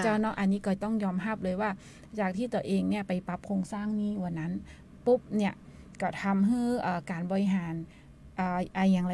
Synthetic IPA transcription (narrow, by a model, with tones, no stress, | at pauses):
t͡ɕa˧˥˩nɔ˦˥ʔa˨˧nːiː˦˥kɔː˧˩t̪ɔ˥˩ŋjɔː˧mɦa˥˩p̚lɤː˧jwaː˥˩ | t͡ɕaː˨˩k̚t̪ʰiː˥˩t̪u˧ɐʔeː˧ŋni˥˩ɐpa˨˩jpa˧˦˥p̚kʰoː˧ŋsaː˥˩ŋniː˥˩wa˧˩nːa˦˥n | pu˦˥p̚ni˦˥˩ɐ | kɔː˧˥˩t̪ʰa˧mɦɯː˥˩ʔɤː˨˩kaː˨˩nbɔː˨˩ɾi˦˥ɦaː˨˩˦n | ʔaː˨˩ʔaː˧˩jaː˨˩ŋɾa˧